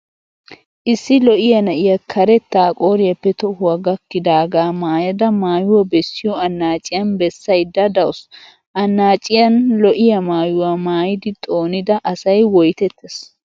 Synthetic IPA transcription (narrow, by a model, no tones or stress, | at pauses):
ʔɪsːɪlɔʔɪjɐnɐʔɪjɐkʰɐɾɛt̪ːaːkʼo̞ːɾɪjɐpːɛt̪ɔhʊɐɡɐkːɪd̪aːɡaːmaːjɐd̪ɐmaːjʊwɐbɛsːɪjɔɐnːaːt͡ʃʼɪjɐnbɛsːɐjd̪ɐd̪ɐwʊs | ʔɐnːaːt͡ʃʼɪjɐnlɔʔɪjɐmaːjʊwamaːjɪd̪ɪt̪ʼo̞ːnɪd̪ɐʔɐsɐjwɔjt̪ɛt̪ːɛs